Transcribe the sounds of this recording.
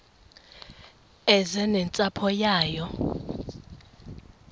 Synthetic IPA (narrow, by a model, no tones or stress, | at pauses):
ɛzɛnɛnt͡sʼapʰɔjaːjɔ